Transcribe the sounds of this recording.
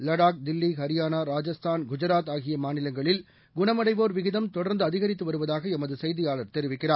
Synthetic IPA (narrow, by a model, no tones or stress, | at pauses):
lɐɽaːk̚d̪ɪlːiɦɐɾɪjaːnaːɾaːd͡ʒɐst̪ʰaːnɡʊd͡ʒɐɾaːt̪aːɣɪjɐmaːnɪlɐŋɡɐɭɪl | ɡʊɳɐmɐɽɐɪʋoːɾʋɪɣɪðɐmt̪ɔɽɐɾnd̪ɯɐðɪɣɐɾɪt̪ːɯʋɐɾɯʋɐðaːɣɐɛmɐðɯsɛjðɪjaːɭɐɾt̪ɛɾɪʋɪkːɪraː